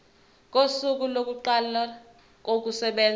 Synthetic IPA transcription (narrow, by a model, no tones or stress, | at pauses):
k̬ʼosuk̬ulok̬uǃala | k̬ʼok̬usɛɓɛːn